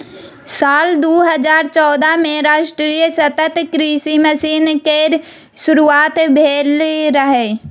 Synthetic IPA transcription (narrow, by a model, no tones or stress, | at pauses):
saːld̪oːɦəzaːɾt͡ʃɔːd̪amẽɾaːʃʈɾiːjsɐt̪ət̪kɾiʃiməsiːnke | ʃʊɾuaːt̪bʱeːlɾəɦe